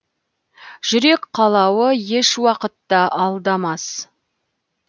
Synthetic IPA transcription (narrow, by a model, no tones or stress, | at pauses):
ʒ̥ʏɾe̞kqʰɑlˠɑwəje̞ʃwɑqət̪ːɑʔɑlˠd̪ɑmɑs